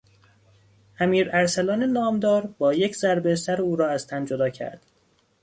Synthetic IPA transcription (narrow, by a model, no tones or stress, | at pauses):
ʔæmiːɾæɾsælɒːnenɒːmd̪ɒːɾbɒːjecʰzæɾbesæɾuːɾɒːæzt̪ʰænd͡ʒod̪ɒːcʰæ̰ɾd̪̥